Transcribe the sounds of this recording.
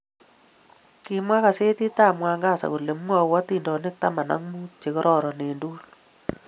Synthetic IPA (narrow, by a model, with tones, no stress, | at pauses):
kɪ˦mwa˦ka˨se˦ti˦ta˦˨mwa˧ŋɡa˦˨sa̰˨ku˨le˨m˦wɔ˧wa˦ti˦ndɔ˨nɪ˦k̚ta˦ma˨na̰˦ŋmu˦t͡ʃe˨kɔ˦ɾʔɔ˦˨ɾɔ˨ne˨nduː˦l